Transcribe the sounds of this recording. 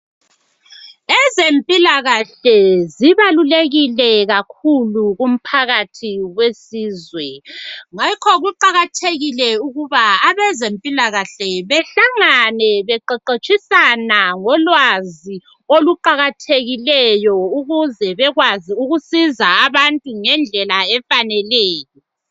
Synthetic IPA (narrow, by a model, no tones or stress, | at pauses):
ɛzempʼilaɣaɬɛziβaluleɣilɛɣakʰuluɣum̩pʰaɣatʰiwesiːzwɛŋakʰɔɣuǃaɣatʰeɣilɛuɣuβaːβɛzempʼilaɣaɬɛβɛɬaŋanɛβɛǃɛǃet͡ʃʼisanaŋɔlwazi | oluǃaɣatʰeɣilɛjɔuɣuzɛβɛɣwaziuɣusizaːβantʼuŋɛnd͡ɮʱɛlaɛfanɛleːjɔ